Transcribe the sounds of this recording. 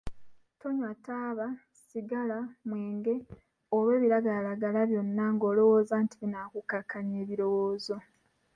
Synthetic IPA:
to̞ɲwataːβa | siɡalamweːŋɡe̞ | oβe̞ːβiɾaɡaːlaɡalaβjo̞nːaŋɡo̞ːlo̞wo̞ːzaːntiβinaːkukakːaɲeːβiɾo̞woːzo̞

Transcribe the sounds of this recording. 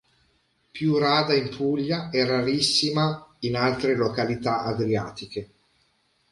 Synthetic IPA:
pjuraːd̪aimpuʎːaɛraɾisːimainalt̪ɾelokalit̪aʔad̪ɾiaːt̪ike

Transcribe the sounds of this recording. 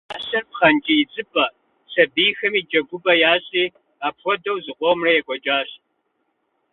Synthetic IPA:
aːɕɐrpχɐnt͡ʃʼijɪd͡zʼɨpʼɐ | sɐbiːjxɐmiːd͡ʒɐɡʷʊbɐjaːɕʼiː | aːpxʷɔdɐwzɨqʷʼɔmrɐjɛkʷʼɔd͡ʒʼaːɕ

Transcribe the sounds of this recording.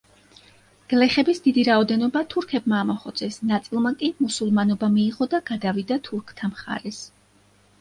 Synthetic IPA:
ɡ̥lɛχɛbisd̪id̪iɾaɔd̪ɛnɔbat̪ʰuɾkʰɛb̚maːmɔχɔd̪sʰɛsnat̪sʼilˠmakʼimusulˠmanɔbamiːʁɔd̪aɡ̥ad̪avid̪at̪ʰuɾkʰt̪ʰamχa̰ɾɛs

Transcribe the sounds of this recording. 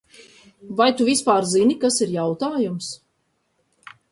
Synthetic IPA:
vajt̪uvispaːɾzinikasiɾjawt̪aːjums

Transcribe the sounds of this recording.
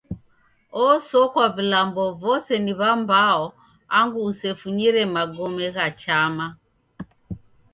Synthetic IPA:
ɔsɔkwavilambɔvɔsɛniβambaɔ | aŋɡuːsɛfuɲiɾɛmaɡɔmɛɣat͡ʃama

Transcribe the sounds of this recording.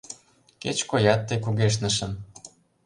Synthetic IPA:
ket͡ɕkojɑt̪ːejk̬uɣeʃ̬nə̆ʃə̆m

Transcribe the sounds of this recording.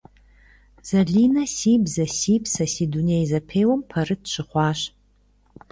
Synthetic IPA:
z̥ɐɮiːnɐsiːbzɐsiːbsɐsidunejzɐpʰeːjwɐmpʰɐrɨtɕɨχʷɑːɕ

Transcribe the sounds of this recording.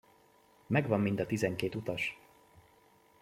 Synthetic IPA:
mɛɡvɒmːind̪ɒt̪izɛŋkeːt̪ut̪ɒʃ

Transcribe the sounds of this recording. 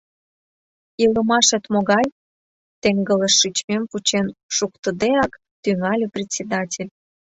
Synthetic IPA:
iləmɑʃĕt̪moɣɑj | t̪eŋɡə̆ləʃːit͡ɕmemput͡ɕenʃukt̪ə̆d̪eɑk | t̪yŋɑlʲuprʲet̪ʲsʲed̪ɑtʲelʲ

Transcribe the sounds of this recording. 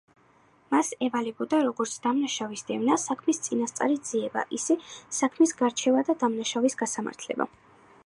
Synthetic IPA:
masɛvalɛbɔd̪aɾɔɡɔɾt̪sʰd̪̥amnaʃavisd̪ɛvnasakʰmist̪sʼinast̪sʼa̰ɾid̪z̥iɛba̰ʔisɛsakʰmisɡaɾt͡ʃʰɛvad̪ad̪amnaʃavisɡasama̰ɾt̪ʰlɛ̰ba̰

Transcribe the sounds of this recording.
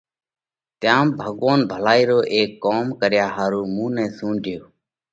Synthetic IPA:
t̪jãːmbʱəɠʋaːnbʱəlaːiːɾoːʔeːkːoːmkəɾjaːɦaːɾuːmũːnɛ̃ːsũːɳɖʱɪjoː

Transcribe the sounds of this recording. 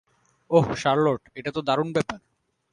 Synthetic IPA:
oɦʃaɾloʈeʈat̪od̪aɾunbɛpaɾ

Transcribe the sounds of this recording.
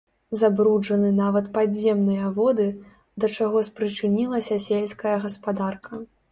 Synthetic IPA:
zabɾud͡ʐɐnɨnavɐt̪paɛmnɨjɐvɔd̪ɨ | d̪ɐt͡ʂaɣɔspɾɨt͡ʂɨnʲilˠɐsʲɐsʲelʲskɐjɐɣɐspad̪arkʰɐ

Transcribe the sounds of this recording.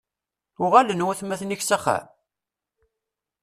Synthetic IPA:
ʊʁalənwæθmæθniçsæχæ̰m

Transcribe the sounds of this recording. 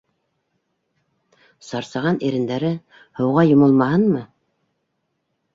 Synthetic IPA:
sɑɾsɑʁɑniɾɘ̆nd̪æɾɘ | hɤ̆wʁɑjŏmŏlˠmɑhɤnmɤ

